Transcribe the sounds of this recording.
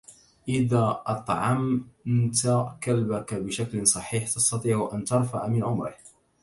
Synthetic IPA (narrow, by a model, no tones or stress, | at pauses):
ʔɪðaːʔɑt̪ˤʕɑmnt̪akalbakabɪʃaklɪsˤɑħiːħt̪ɑst̪ɑt̪ˤiːʕʊʔant̪ɑɾˤfa̰ʕmɪnʕʊmɾɪ̰h